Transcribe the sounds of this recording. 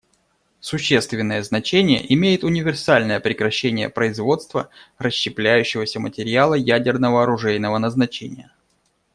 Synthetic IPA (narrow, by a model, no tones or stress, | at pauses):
sʊɕːe̞st̪vʲɪnːəjəznɐt͡ɕenʲɪjə̰ʔɪmʲejɪt̪ʊnʲɪvʲɪrsalʲnəjəpɾʲɪkɾɐɕːenʲɪjə̰pɾəɪzvo̞t̪st̪vərəɕːɪplʲæjʉɕːɪvəsʲəmətʲɪɾʲɪalˠəjædʲɪrnəvəɐɾʊʐɛjnəvənəznɐt͡ɕḛnʲɪjə